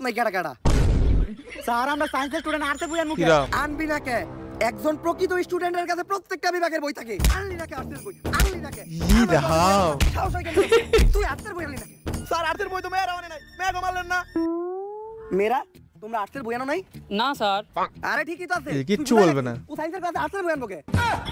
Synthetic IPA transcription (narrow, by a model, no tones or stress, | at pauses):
najkaʈakaɽa̰ | saɾamɾaɾsajns̬eɾsʈuɖeɳʈaɾt̪eɾbujanmukɾaanbinakeɛk̚d͡zɔnpɾokɾit̪̬omisʈuɖeɳʈeɾkat͡sʰepɾot̪ːek̚ʈabibaɡeɾbojt̪ʰakeanlinakeaɾt̪ʰeɾboj̪anlinakeid̪aɦawʃʰasajkant̪ujaɾt̪ʰeɾbujanːinakesaɾaɾt̪ʰeɾbojt̪omɛɾawanenajmɛɡɔmalːenːa | meɾa | t̪omɾaaɾt̪eɾbujanonajnasaɾa̰ɾeʈʰikːit̪oas̬ʰek̬iʃubolbenausajnseɾkat͡sʰeaɾseɾbʱujanbuke